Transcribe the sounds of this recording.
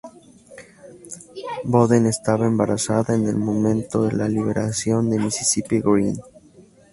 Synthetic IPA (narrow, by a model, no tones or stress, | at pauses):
boðene̞st̪aβaembaɾasaðaene̞lmo̞mẽ̞nt̪o̞ðe̞laliβ̞e̞ɾasjo̞nd̪e̞misisipeɡɾin